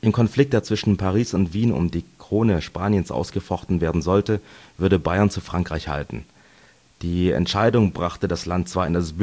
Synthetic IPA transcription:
ʔɪmkʰɔnflɪk̚tət͡sv̥ɪʃn̩pʰaʁ̞iːsʊntv̥iːnʊ̰mdiːkʁ̥oːnəʃpaːnjənsʔa̰ʊsɡ̥əfɔχtn̩veːɐdn̩zɔltəvʏɐdəbaɪɐnt͡sufʁ̥aŋkʁ̥aɪçha̰ltn̩ | d̥iːɛ̰ntʃaɪdʊŋbʁaχtədaslantt͡sv̥aːɐɪndasb̥

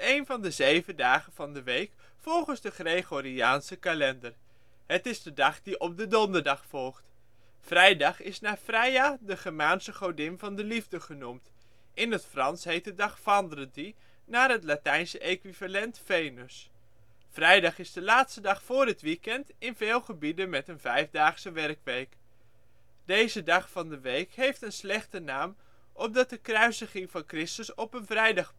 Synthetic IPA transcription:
ejnvɑndəzejvəndaːχənv̥ɑndəʋejk | fɔlˠχənzdəχrejχoɾiaːnsəkalɛndər | ɦətɪzdədɑχdiʔɔp̚dədɔndəɹdɑχfɔlˠχt | frɛjdɑχɪsnaːfrɛjadəχəmaːnsəχoɹdɪnvɑndəlivdəχənumt | ʔɪnətfrɑnsɦejt̚dədɑχfɑndrəti | naːrɦətlatɛjnsəʔekʋivalɛntfejnəs | frɛjdɑχɪzdəlaːtstədɑχfʊːrɦətʋikɛntɪnvɪːlˠχəbidənmɛtənvɛjvdaːχsəʋɛrkʋejk | d̥ejzədɑχfɑndəʋejkɦejftənslɛχtənaːm | ʔɔp̚dɑt̚dəkrœɥzəχɪŋvɑnkrɪstəsɔpənvrɛjdɑχ

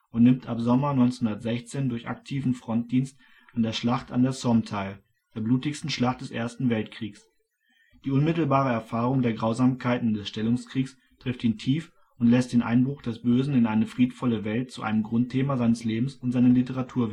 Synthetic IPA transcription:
ʔʊntnɪmtʰapz̥ɔmɐnɔʏnt͡senhʊndɐtz̥ɛçt͡seːndʊɐça̰k̚tʰiːvn̩fʁ̥ɔnt̚d̥iːnst | ʔandeːɐʃlaχta̰ndeːɐsɔmtʰaɪl | d̥eːɐbluːtɪçstn̩ʃlaχt̚d̥ɛsʔḛːɐstn̩vɛltkʁ̥iːks | d̥iːʊnmɪtl̩baːʁ̞əɛɐfaːʁʊŋdeːɐɡʁaʊzaːmkʰaɪtn̩dɛsʃtɛlʊŋskʁ̥iːks | tʁ̥ɪftiːntʰiːf | ʔʊntlɛstd̥eːnʔa̰ɪnbʁʊχd̥ɛsb̥øːzn̩ɪnʔaɪnəfʁ̥iːtfɔləvɛlt̚t͡suʔa̰ɪnəmɡʁʊnt̚tʰeːmazaɪnəsleːbm̩sʊntzaɪnəlitəʁatʰuːɐv

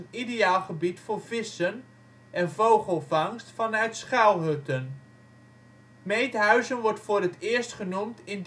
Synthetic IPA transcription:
nidejaːlˠχəbitfʊːɹvɪsən | ʔɛnvowχəlˠvɑŋstfɑnœɥtsχawˠɦɵtən | mejtɦœɥzənʋɔɹtfʊːɾətɪːɹstχənumtɪnd

